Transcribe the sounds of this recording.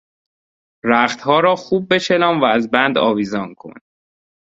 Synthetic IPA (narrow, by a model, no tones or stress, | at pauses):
ɾæχt̪hɒːɾɒːxuːb̚ːe̞t͡ʃʰelɒːmvæːzbænd̪ɒ̰ːviːzɒːnkʰo̞̰n